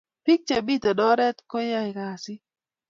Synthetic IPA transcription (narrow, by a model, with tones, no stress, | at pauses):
pi˦k̚t͡ʃa˨bi˦˨t̪ɔ˨dɔ˦ɾɛ˦t̪ko˦ja˦i˨ka˨si˦